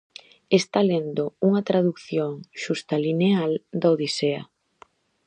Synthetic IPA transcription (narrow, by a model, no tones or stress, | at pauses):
est̪alend̪ouŋɐt̪ɾaðukθjoŋʃust̪alineald̪aoðiseɐ̰